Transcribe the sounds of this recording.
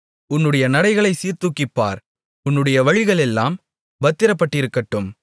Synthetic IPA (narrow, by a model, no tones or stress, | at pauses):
ʊnːɯɽɐjɐnɐɽɐɪɣɐɭɐɪsiːɾt̪ukːɪpːa̰ːɾ | ʊnːɯɽɐjɐʋɐɻɪɣɐɭɛlːaːm | bɐt̪ːɪɾɐpːɐʈːɪɾɯkːɐʈːɯm